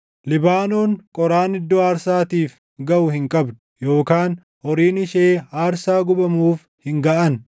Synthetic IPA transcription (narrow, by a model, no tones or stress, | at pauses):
lɪbaːno̞ːŋkʼɔɾaːnɪd̪ːɔaːɾsaːt̪iːf | ɡɐʔʊhɪŋkʼɐbd̪ʊjo̞ːkaːn | hɔɾiːnɪʃeːaːɾsaːɡʊbɐmuːf | hɪŋɡɐʔɐn